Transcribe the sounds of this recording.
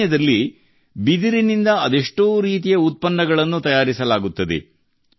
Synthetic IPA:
jɐd̪ɐlːi | bid̪iɾinind̪ɐɐd̪eʂʈoːɾiːt̪ijɐut̪̚pɐnːɐɡɐɭɐnːut̪ɐjaːɾisɐlaːɡut̪ːɐd̪ḛ

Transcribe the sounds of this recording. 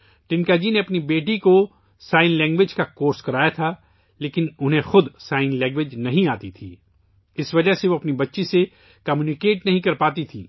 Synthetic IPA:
ʈɪ̃ŋkaːd͡ʒineɐpnibeːʈ̬iko | saːɪnlɛ̃ːŋɡʋeːd͡ʒkakoːɾskɐɾaːjat̪ʰa | leːkɪnʊnɦẽxʊd̪saːɪnlɛ̃ːŋɡʋed͡ʒnɐɦĩaːt̪it̪ʰḭː | ɪsʋɐd͡ʒəɦseʋoːɐpnibɐtːʃise | kɐmjuːnɪkeːʈnɐɦĩkɐɾpaːt̪it̪ʰiː

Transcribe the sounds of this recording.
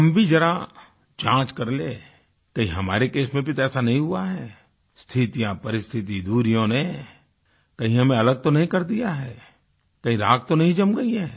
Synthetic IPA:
ɦɐmbʱid͡ʒɐɾa | d͡ʒãːt͡ʃkɐɾleː | kɐɦĩɦɐma̰ːɾekeːsmẽbʱit̪ɛːsanɐɦĩɦuaɦɛː | st̪ʰɪt̪ijãpɐɾɪst̪ʰɪt̪̬id̪uːɾijõne | kɐɦĩɦɐmẽɐləɡ̚t̪onɐɦĩkɐɾd̪ijaɦɛː | kɐɦĩɾaːɡ̚t̪onɐɦĩd͡ʒɐmɡɐiɦɛː

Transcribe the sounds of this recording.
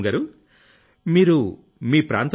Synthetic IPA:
ɡaːɾu | miːɾu | miːpɾa̰ːnt̪

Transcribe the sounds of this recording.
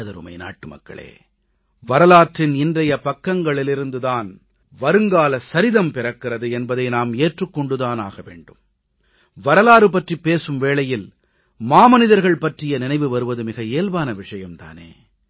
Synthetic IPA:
ɐðɐɾɯ̰mɐ̰ɪna̰ːʈːɯmɐ̰kːɐ̰ɭḛː | ʋɐɾɐlaːʈrɪnɪndrɐjɐpɐkːɐŋɡɐɭɪlɪɾɯnd̪ɯðaːn | ʋɐɾɯŋɡaːlɐsɐɾɪðɐmpɪɾɐkːɪrɐðɯɛnbɐðɐɪnaːmeːʈrɯkːɔɳɖɯðaːnaːɣɐʋḛːɳɖɯm | ʋɐɾɐlaːɾɯpɐʈripːeːsɯmʋeːɭɐjɪl | maːmɐnɪðɐɾɣɐɭpɐʈrɪjɐnɪnɐɪʋɯʋɐɾɯʋɐðɯmɪɣɐeːlʋaːnɐʋɪʂɐjɐmt̪a̰ːnḛː

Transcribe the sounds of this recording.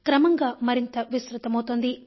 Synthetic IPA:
kɾɐmɐŋɡaːmɐɾint̪ɐʋisɾut̪ɐmɐwut̪oːnd̪i

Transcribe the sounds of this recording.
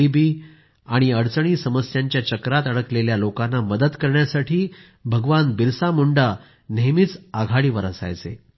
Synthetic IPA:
ibiː | aɽ̃iəɽt͡səɳ̃iːsəməsjaɲt͡ɕjat͡ɕəkɾat̪əɽəkleljalokanːaməd̪əd̪kəɾɳjasaʈʰiː | bʱəɡʋanbiɾsamuɳɖa | nemit͡saɡʱaɽiːʋəɾə̰sa̰jt͡sḛ

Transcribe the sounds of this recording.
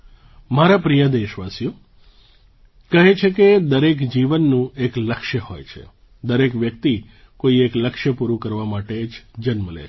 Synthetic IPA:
maɾapɾijəd̪eʃʋasjo | kəɦet͡ʃʰeked̪əɾekd͡ʒiʋənːũekləkʃjəhojt͡ʃʰḛ | d̪əɾekʋjəkt̪i | koiekləkʃəpuɾukəɾʋamaʈed͡ʒd͡ʒənməlḛ

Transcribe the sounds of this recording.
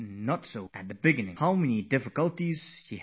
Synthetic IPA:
nətsoʊɨt̪̚ðəbɪɡɪ̃nɪ̰̃ŋhaʊmɛnidɪfɪkəlˠtiz̥ʃi

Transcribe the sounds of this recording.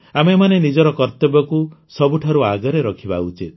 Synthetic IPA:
amemanenid͡ʒɔɾɔkɔɾt̪ɔbɔkusɔbuʈʰaɾuaɡɔɾeɾɔkʰibaut͡ʃit̪̚

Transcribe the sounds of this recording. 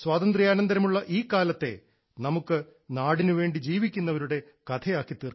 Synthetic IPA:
swaːt̪ɐnd̪rijaːnɐnd̪ɐɾɐmuɭːɐʔiːkːaːlɐt̪ːe̞̰ | nɐmukːɨ | naːɽinɨʋe̞ːɳɖid͡ʑiːʋikʲːunːɐʋɐɾuɽe̞ | kɐt̪ʰɐjaːkːit̪ːiːr

